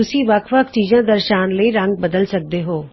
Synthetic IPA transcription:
ʊsĩːʋəkʰʋəkʰt͡ʃiːzãːd̪əɾʃaːnləiːɾə̃ŋɡ̚bəd̪əlsək̚d̪eːɦoː

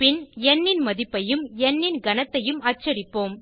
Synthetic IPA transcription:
pɪnɛnːɪnmɐðɪpːɐjɯmɛnːɪnɡɐnɐt̪ːɐjɯmɐːt͡ʃːɐɾɪpːoːm

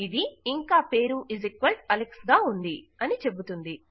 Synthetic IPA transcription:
id̪iːŋkaːpe̞ːɾuʔizikʋɐlʈɐleksɡaːund̪iɐnit͡ʃe̞but̪und̪i

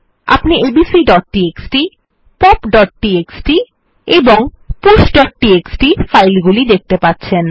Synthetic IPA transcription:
a̰pniʔebisiɖɔʈ̚ʈieksʈi | pɔpɖɔʈ̚ːʈieksʈi | eboŋ | pusɖɔʈ̚ʈieksʈifajlɡulid̪ek̚ʰt̪epatːɕʰen

